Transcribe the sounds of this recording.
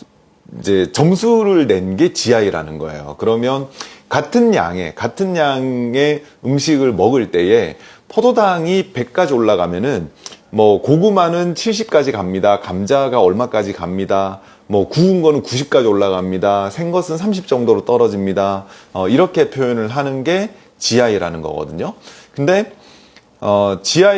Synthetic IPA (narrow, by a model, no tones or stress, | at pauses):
id͡ʑe̞t͡ɕʌmsʰuɾɯɭne̞nɡe̞t͡ɕiaiɾa̰nɯnɡʌḛjo̰kɯɾʌmjʌnkatʰɯnja̰ŋe̞̰katʰɯnjaŋe̞ | ɯmɕʰiɡɯɭmʌɡɯɭt͈e̞je̞pʰodʰodaŋipe̞k̚k͈ad͡ʑioɭːaɣamjʌnɯnmʌkoɡɯmanɯnt͡ɕʰiɭɕ̬͈ʰip̚k͈ad͡ʑikamɲidakamd͡ʑaɡaʌɭmak͈ad͡ʑikamɲida | mwʌkuːnɡʌnɯnkuɕ̬ʰip̚k͈ad͡ʑioɭːaɣamɲidasʰe̞ŋɡʌsʰɯnsʰamɕʰip̚t͡ɕ͈ʌŋdoɾot͈ʌɾʌd͡ʑimɲidaʌiɾʌkʰe̞pʰjojonɯɭɦanɯnɡe̞ | t͡ɕiaiɾanɯnɡʌ̰ɡʌ̰dɯɲokɯnde̞ | ʌt͡ɕia